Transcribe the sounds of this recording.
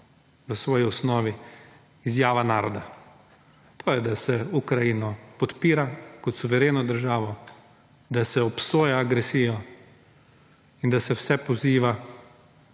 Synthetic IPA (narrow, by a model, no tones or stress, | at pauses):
ʋəsʋɔːjiɔsnɔːʋi | izjaːʋanaːɾɔd̪a | t̪ʰoːjɛd̪asɛukɾajinɔpɔt̪piːɾakɔt̪suʋɛɾeːnɔd̪əɾʒaːʋɔ | d̪asɛɔpsoːjaːɡɾɛsiːjɔ | ind̪asɛwsɛpɔziːʋa